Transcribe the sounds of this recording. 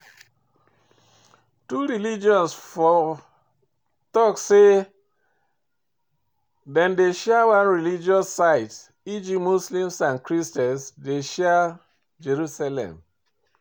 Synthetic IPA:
tuɹilid͡ʒɔ̃nsfɔ | tɔkse | dɛ̃ndeʃɛawãnɹilid͡ʒiɔsːaɪt | id͡ʒimuslĩmsãnkɹistɛsdeʃɛ | d͡ʒeɹusalɛ̰̃m

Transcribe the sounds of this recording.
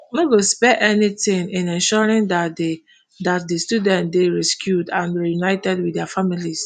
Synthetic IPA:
noɡospɛʔɛnitɪ̃ŋɪ̃nɛ̃nʃɔɹĩŋdad | dat̚distudɛ̃ntdeɹɛskʰjudãnɹijunaɪtɛdwɪdɛafamilis

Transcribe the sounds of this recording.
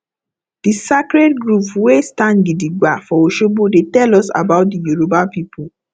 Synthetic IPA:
d̥isakɹɛdɡɹupwestãnɡidiɡwafɔoʃobodetɛlɔsa̰baʊt̚dijuɹobapipʰu

